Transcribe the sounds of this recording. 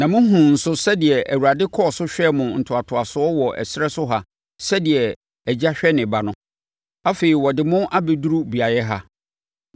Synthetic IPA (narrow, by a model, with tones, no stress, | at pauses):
nã˨mʊ̃˦ɦũ˨n̩˨sʊ˦sɛ˦dɪ˨ɛ˨ʔæ˨wu˨ɾa˨dɪ˦kʰɔ˦˨sʊ˦ɕᶣɛ˦mʊ̃˨n̩˨tʰʊ˨a˨tʰʊ˨a˨sʊ˨˦ɔ˦wɔ˨ʔɛ̰˨sɪ˦ɾɛ˦sʊ˦ɦa˦ | sɛ˦di˨ɛ˨ | æ˨d͡ʑa˦ɕᶣɛ˦nɪ̃˨ba˨nʊ̃˦ | a˦feː˨i˨wɔ˨dɪ˨mʊ̃˦ʔa˦be˨du˦ɾu˦bi˨a˨jɛ˦ɦa˦